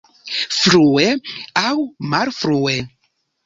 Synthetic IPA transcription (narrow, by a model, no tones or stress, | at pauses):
fɾueawmaɾfɾue